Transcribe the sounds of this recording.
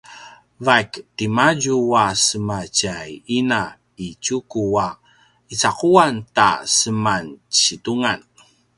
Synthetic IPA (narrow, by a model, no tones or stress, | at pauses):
vajktimaɟuwasəmat͡ɕajina | it͡ɕukua | it͡saquanta̰səmant͡ɕituŋan